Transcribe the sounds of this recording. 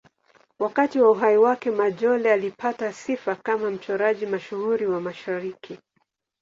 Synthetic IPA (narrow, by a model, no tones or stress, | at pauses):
wakatiwauɦaiwakɛmaʄɔlɛalipʰatasifakamam̩t͡ʃɔɾaʄimaʃuhuɾiwamaʃaɾikʰi